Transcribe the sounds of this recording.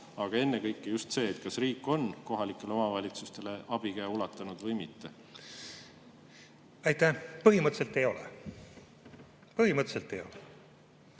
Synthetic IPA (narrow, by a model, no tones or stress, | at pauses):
ɑɡ̥ɑe̞nːe̞kɤjkːejust̪se̞ːt̪kɑsriːkːˑo̞nko̞ɦɑlikːˑe̞leo̞mɑvɑlʲit̪sust̪e̞le̞ʔɑb̥ikæjulɑt̪ːˑɑnud̪̥vɤjmit̪ːe̞ | ɑjt̪ːˑæpɤɦimɤt̪se̞lt̪ːˑejo̞lḛ | pɤɦimɤt̪se̞lt̪ːˑejo̞̰le